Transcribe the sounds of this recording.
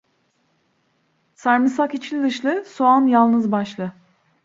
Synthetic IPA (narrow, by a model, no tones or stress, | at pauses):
saɾmɯsakit͡ʃʰlʲid̪ɯʃlˠɯsoanjalˠnɯzbaʃlˠɯ